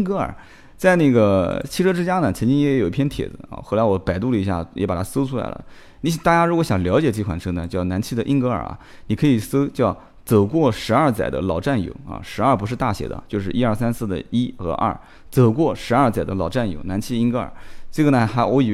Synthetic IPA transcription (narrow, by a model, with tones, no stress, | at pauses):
ŋkɤ˧˥ə̰˞˨˩˦ | t͡sa˥˧ɪnə˥˩ɡə˩t͡ɕʰi˥˧ʈ͡ʂʰɤ˥ʈ͡ʂɻ̩˥t͡ɕja˥nə˩t͡sʰə˧˥nt͡ɕi˥ŋjɛ˧˥jo˨˩ʊi˥pʰjɛ˥nt̪ʰjɛ̰˨˩d͡zɹ̩˧˦a̰˧˩xo˧˥la˧˥wɔ˧˩pa˨ɪt̪u˥˩lə˨˩i˧˥ɕja̰˥˩jʔɛ˧˥pa˨˩t̪ʰa˥so˥ʊʈ͡ʂʰu˥la̰˧˩ɪlə̰˨ | ni˧˥ɕt̪a˥˩t͡ɕja˥ɻu˧˥kwɔ˧˥ɕjɑ˨˩ŋljɑ˧˥ʊt͡ɕjɛ˨˩ʈ͡ʂkʰwa̰˧˨˩nʈ͡ʂʰɤ˧˥nə˨˩t͡ɕjʊna˧˥nt͡ɕʰi˥˩d̪ə˨ʔi˥ŋkɤ˧˥ə̰˞˨˩ʔɐ̰˧˩ | ni˨˩kʰɤ˧˥i˨˩so˥t͡ɕjɑ˥˩ʊ | t͡sɤ˨˩kwɔ˥˩ʂɻ̩˧˥ɐ˞˥˩t͡sa˨˩ɪd̪ə̰˦lɑ˨˩ʊʈ͡ʂa˥˩njo̰˧˩˦ʊɐ̰˧˩ʂɻ̩˧˥ɐ˞˥˩pʂɻ̩˥˧t̪a˥˩ɕjɛ̰˧˥d̪ə̰˧t͡ɕjo˥˧ʊʂ̬ɻ̩˥˩ʔi˥ɐ˞˥˩sa˥nsɹ̩˥˩d̪ə̰˩i˥xɤ̰˧˥ʔɐ̰˥˩ | t͡sɤ˨˩kwɔ˥˩ʂɻ̩˧˥ɐ˞˥˩t͡sa˨˩ɪd̪ə˦lɑ˨˩ʊʈ͡ʂa˥˩njo̰˧˩ʊna˧˥nt͡ɕʰi˥˩ə˧i˥˧ŋkɤ˧˥ə̰˞˨˩ʈ͡ʂɤ˥˩ɡə˩nə˩xa˧˥ɪwɔ˧˥i˨˩